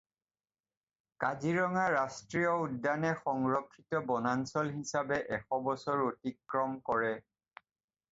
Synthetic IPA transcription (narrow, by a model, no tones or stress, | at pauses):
kaziɹɔŋaɹastɹijɔudːanɛxɔŋɹɔkʰːitɔbɔnansɔlɦisabɛʔɛxɔbɔsɔɹotikɹɔmkɔɹɛ